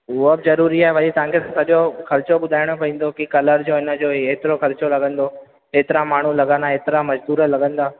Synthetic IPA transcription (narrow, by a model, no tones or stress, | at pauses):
ʊobɪzɐɾuːɾiaːɦeʋɐʄit̪ɐʋãŋkʰeãsɐɗjoxɐɾt͡ɕoɓʊd̪ʱaːɪɽ̃opɐĩːn̆d̪okikɐləɾd͡ʑoːɪnə̆d͡ʑoːeːt̪ɪɾoxɐɾt͡ɕolɐɠə̃nd̪o | eːt̪ɪɾamaːɳ̤ulɐɠãnd̪aeːt̪ɪɾamɐd͡ʑd̪uːɾəlɐɡə̃nd̪aː